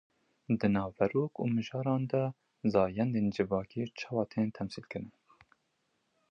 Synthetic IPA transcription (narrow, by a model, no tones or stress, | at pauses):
d̪ɨnɑːvːɛɾoːkṵːmɨʒɑːɾɑːnd̪ɛ | zɑːjɛnd̪eːnd͡ʒɨvɑːkeːt͡ʃʰɑːwɑːt̪ʰeːnt̪ʰɛmsiːlkɨɾɨn